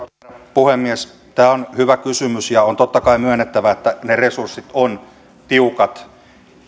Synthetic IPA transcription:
puhemːies | t̪æːonhyʋækysymysjɑont̪ot̪ːɑkɑimyønːet̪ːæʋæet̪ːæneresursːit̪on | t̪iukɑt̪

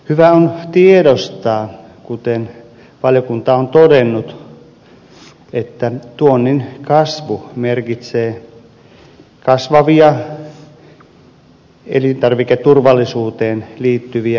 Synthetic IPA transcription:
hyʋæont̪iedost̪ɑː | kut̪en | ʋɑljokunt̪ɑont̪odenːut̪ | et̪ːæt̪uonːinkɑsʋumerkit̪seː | kɑsʋɑʋiɑ | ḛlint̪ɑrʋiket̪ːurʋɑlːisuːt̪eːnliːt̪ːyʋiæ

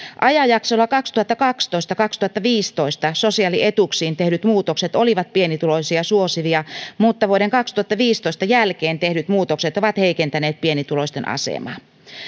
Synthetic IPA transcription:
ʔɑjɑjɑksolːɑkɑkst̪uhɑt̪ːɑkɑkst̪oist̪ɑkɑkst̪uhɑt̪ːɑʋiːst̪oist̪ɑsosiɑliet̪uksiːnt̪ehdyt̪muːt̪okset̪oliʋɑt̪̚pienit̪ulosiɑsuosiʋiɑmuːt̪ːɑʋuoɾeŋkɑkst̪uɑt̪ːɑʋiːst̪oist̪ɑjælkeːnt̪ehdyt̪muːt̪okset̪oʋɑt̪heikent̪æneːt̪̚pienit̪ulosʲt̪enʔɑ̰sḛmɑ̰

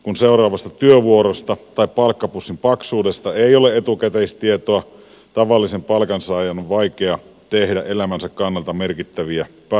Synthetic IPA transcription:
kunseurˑɑːʋɑst̪ɑt̪yøʋuoɾost̪ɑt̪ɑippɑlkːɑpusːimpɑksuːdest̪ɑeioleet̪ukæt̪eist̪iet̪oɑ | t̪ɑʋɑlːisempɑlkɑnsɑːjɑnoʋʋɑikeɑ | t̪ehdæʔelæmænsækkɑnːɑlt̪ɑmerkit̪ːæʋiæ | p

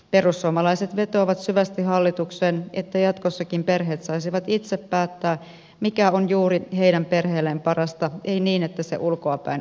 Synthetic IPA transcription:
perusːuomɑlɑiset̪ʋe̞t̪o̞iʋɑt̪syʋæst̪iɦɑlːit̪uksenet̪ːæjɑt̪kosːɑkimperɦeːt̪sɑisiʋɑt̪it̪seppæːt̪ːæː | mikæonjuːriɦeidæmpe̞rheːlːempɑrɑst̪ɑʔeiniːnet̪ːæsḛʔulkoɑpæ̰in

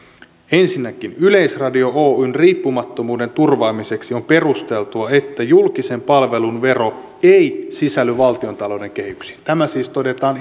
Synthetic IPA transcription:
e̞nsinːækinyle̞isrɑdio̞ʔoːynriːpːumɑt̪ːo̞muːde̞nt̪urʋɑːmise̞ksio̞mpe̞rust̪e̞lt̪uɑet̪ːæjulkise̞mpɑlʋe̞lunʋe̞ro̞ | eijsisælːyʋɑlt̪io̞nt̪ɑlo̞ːde̞ŋk̟e̞hyksi̥t̪æmæsiːst̪o̞de̞t̪ɑːn

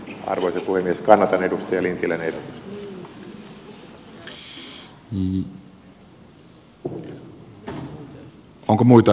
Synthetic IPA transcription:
ɑ̰rʋoisepuhemːieskɑnːɑt̪ɑnedust̪ɑjɑlint̪ilænedu | niː | ʔoŋkomuit̪ɑ

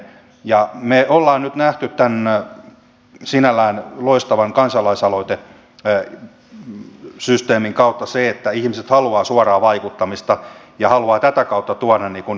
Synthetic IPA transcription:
jɑmeolːɑːnnyt̪næht̪yt̪t̪æn | sinælːˑæːnloist̪ɑʋɑŋkɑnsɑlɑisɑloit̪e | syst̪eːmiŋkɑut̪ːɑseet̪ːæihmiset̪hɑluɑːsuɑrɑːʋɑikut̪ːɑmist̪ɑ | jɑhɑluɑːt̪æt̪ækɑut̪ːɑt̪uɑnɑnniːkun

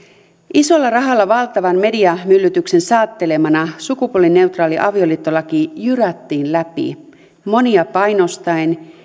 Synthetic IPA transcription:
ʔiso̞lːɑrɑɦɑlːɑʋɑlt̪ɑʋɑnme̞diɑmylːyt̪ykse̞nsɑːt̪ːe̞le̞mɑnɑsukupuolːinːe̞wt̪rɑːliʔɑʋio̞liːt̪ːolːɑkijyræt̪ːiːnlæpḭ | mo̞niɑpɑjno̞st̪ɑen

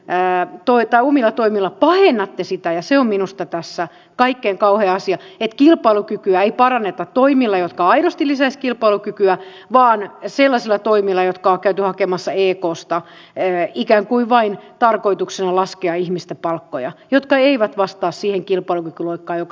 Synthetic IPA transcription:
t̪oit̪ɑiomilːˑɑt̪oimilːɑpɑhenːɑt̪ːesit̪æjɑseomminust̪ɑt̪æsːæ | kɑikːeːŋkɑuheːɑsiɑet̪kilpɑilukykyæeipɑrɑnːet̪ɑt̪t̪oimilːɑjot̪kɑɑiɾost̪ilisæiskilpɑilukykyæ | ʋɑːnselːɑsilːˑɑt̪oimilːɑjot̪kɑokæyt̪yhɑkemɑsːɑeːkoːst̪ɑ | ikæːŋkuiʋʋɑint̪ɑrkoit̪uksenɑlɑskeɑihmist̪epɑlkːojɑ̰jot̪kɑeiʋæt̪ʋɑst̪ɑːssiːheŋkilpɑilukykyloikːɑːjok

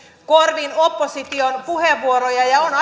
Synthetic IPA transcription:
ko̞rʋinopːosit̪io̞npuheʋːuoɾojɑjɑonɑ

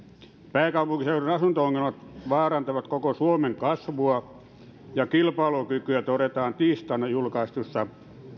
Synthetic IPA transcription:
pæːkɑupuŋkiseurɑnɑsunt̪ooŋːelmɑt̪ʋɑːrɑnt̪ɑʋɑt̪kokosuomeŋkɑsʋuɑ | jɑkilpɑlokykyæt̪oret̪ɑːnt̪iːst̪ɑnːɑjulkɑist̪usːɑ

